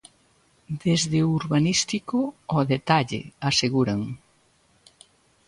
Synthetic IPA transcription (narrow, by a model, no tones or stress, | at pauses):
d̪ezðɪuɾβanist̪ikʊɔðet̪aʎɪ̰aseɣuɾaŋ